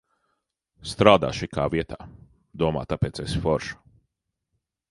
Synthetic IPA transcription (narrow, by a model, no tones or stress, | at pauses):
st̪ɾaːd̪a̰ːʃikʰaːviɛt̪aː | d̪uɔma̰ːt̪apeːt̪sesfɔɾʒu̥